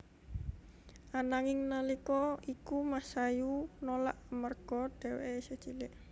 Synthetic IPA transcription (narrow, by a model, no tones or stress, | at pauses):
ʔanaŋɪŋnəlikɔikumasajunola̰ʔmərɡ̥ɔd̥ɛ̤weesəd̥ʒ̥ilɪʔ